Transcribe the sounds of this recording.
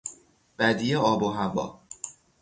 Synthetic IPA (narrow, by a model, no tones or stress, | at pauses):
b̥æd̪ijeɒːboɦævɒ̰ː